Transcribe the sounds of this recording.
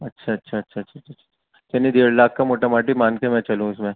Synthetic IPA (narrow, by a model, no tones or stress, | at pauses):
ɐtːʃʰaɐtːʃʰaɐtːʃʰaɐːʃʰat͡ʃʰːaɐʃʰa | kɐnid̪eːɽlaːkːamoːʈamaːʈ̬imãːnkemɛ̃t͡ʃɐlũɪsmẽ